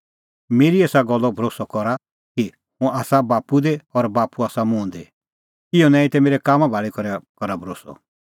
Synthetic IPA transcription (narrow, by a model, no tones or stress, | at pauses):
meːɾieːsaɡɔlːɔbʱɾoːsɔkɔɾa | ki | hũaːsabaːpud̪eɔɾbaːpuaːsamũːnd̪e | ɪɔnãːĩt̪ɛmeːɾɛkaːmabʱaːɭikɔɾɛkɔɾabʱɔɾoːsɔ̰